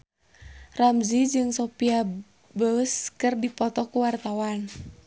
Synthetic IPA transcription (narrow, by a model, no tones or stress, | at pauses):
ramzid͡ʒɨŋsopia | bəskɨrdipɔt̪ɔkuwart̪awan